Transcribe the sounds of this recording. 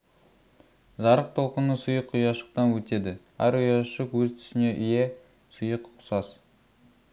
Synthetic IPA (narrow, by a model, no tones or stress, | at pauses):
ʒɑɾəq̚t̪ʰo̞lˠqənəsʊjəqʰːʊjɑʃə̥q̚t̪ɑnwɵt̪e̞d̪ɪ | æ̰ɾʊjɑʃəqwɵzt̪ʰʏ̥sɪne̞ʔʏje̞ | sʊjəqʰːʊ̥sɑs